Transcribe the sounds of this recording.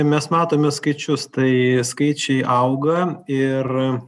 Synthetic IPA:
mʲɛsmɑːt̪oːmʲɛskɐɪt͡ʃʲʊst̪ɐɪskɐɪt͡ʃʲɛɪʔɐʊɡɐɪr

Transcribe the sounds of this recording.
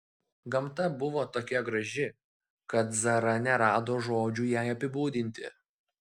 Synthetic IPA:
ɡɐmt̪ɐbʊʋoːt̪oːkʲɛɡɾɐʒʲɪ | kɐt̪zɐɾɐnʲɛɾɑːd̪oːʒoːd͡ʒʲuːjæːɪɐpʲɪbuːd̪ʲɪnʲt̪ʲɪ̰

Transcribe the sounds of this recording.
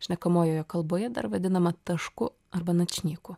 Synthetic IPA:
ʃʲnʲɛkɐmoːjoːjɛkɐlˠboːjɛd̪ɐ̰ɾʋɐd̪ʲɪnɐmɐt̪ɐʃkʊ | ɐɾbɐnɐt͡ʃʲnʲiːkʊ

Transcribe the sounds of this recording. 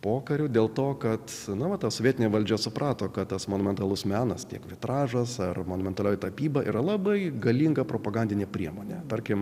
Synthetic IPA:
poːkɐɾʲʊːd̪ʲeːlˠt̪oːkɐt̪nʊʋɐt̪ɐsoːʋʲiɛt̪ʲɪnʲeːʋɐlʲd͡ʒʲɛsʊprʔɑːt̪oːkɐt̪t̪ɐsmoːnʊmʲɛnt̪ɐlˠʊsmʲæːnɐstʲiɛkʋʲɪt̪ɾɑːʒɐsɐrmoːnʊmʲɛnt̪ɐlʲoːjt̪ɐpʲiːbɐʔḭːɾɐlˠɑbɐɪɡɐlʲiːŋɡɐpɾoːpɐɡɐnʲdʲɪnʲeːpʲɾʲiɛmoːnʲet̪ɐɾʲkʲɪm

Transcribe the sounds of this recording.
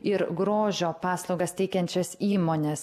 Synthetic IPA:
ɪɾɡɾoːʒʲoːpɑːslˠɒʊɡɐst̪ʲɛɪkʲɛnʲt͡ʃʲɛsiːmoːnʲeːs

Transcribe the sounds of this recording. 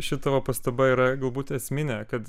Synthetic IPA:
ʃʲɪt̪ɐʋɐpɐst̪ɐbɐiːɾɐɡɐlˠbuːt̪ɛsʲmʲɪnʲɛkɐt̪

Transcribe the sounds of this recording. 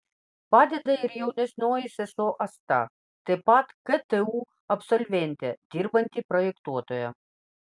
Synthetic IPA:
pad̪ʲɛd̪ɐirjɛwnʲɛsʲnɔjisɛsɔʔɐst̪a̰ | t̪ɨpat̪kɛt̪ɛu | ɐpsɔlʲvʲɛnʲt̪ʲɛd̪ʲirbɐnʲt̪ʲipɾɔjɛkt̪uɔt̪ɔjɐ

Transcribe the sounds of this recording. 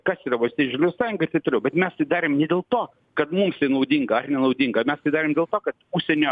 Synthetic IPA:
kɐsiːɾɐʋɐlsʲtʲiːɪʒʲɪlʲɛʊsɑːjʊŋɡɐɪɾt̪ɐɪt̪oːɾʲɛʊbʲɛt̪mʲɛst̪ɐɪd̪ɑːɾʲeːmnʲɛd̪ʲeːlˠt̪oː | kɐt̪mumst̪ɐɪnɐʊd̪ʲiŋɡɐɐrnʲɛnɐʊd̪ʲiŋɡɐmʲɛst̪ɐɪd̪ɑːɾʲeːmdʲeːlˠt̪oːkɐt̪uʃsʲɛnʲoː

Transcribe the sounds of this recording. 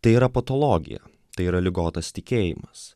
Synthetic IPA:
t̪ɐɪiːɾɐpɐt̪ɔlˠoːɡʲɪ̰jɛ̰ | t̪ɐɪiːɾɐlʲɪɡoːt̪ɐst̪ʲɪkʲeːjɪ̰mɐs

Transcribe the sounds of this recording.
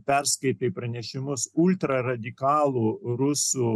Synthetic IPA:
pʲɛɾskɐɪt̪ɐɪpɾɐnʲɛʃʲɪmʊsʊlʲt̪ɾɐɾɐd̪ʲɪkɑːlˠuːɾʊsuː

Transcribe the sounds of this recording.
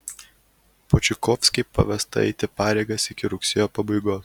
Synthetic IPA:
pɔt͡ʃʲɪkɔːfʲsʲkʲɛɪpɐ̰ʋʲɛst̪ɐ̰ɛ̰ɪt̪ʲɪpɑːɾʲeɪɡɐsɪkʲɪɾʊksʲɪjoːpɐbɐɪɡoːs

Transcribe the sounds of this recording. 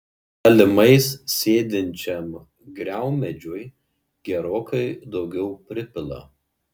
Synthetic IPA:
ɐlʲɪmɐɪssʲeːd̪ʲɪnʲt͡ʃʲɛm | ɡɾʲæˑʊmʲɛd͡ʒʲoj | ɡ̥ʲɛɾoːkɐɪd̪ɒʊɡʲɛʊpʲɾʲɪpʲɪlˠɐ̰

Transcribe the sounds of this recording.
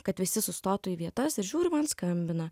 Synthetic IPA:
kɐt̪ʋʲɪsʲɪsʊst̪oːt̪ʊiːʋʲiɛt̪ɐsɪɾʒʲuːɾʲɪmɐnskɐmʲbʲɪnɐ

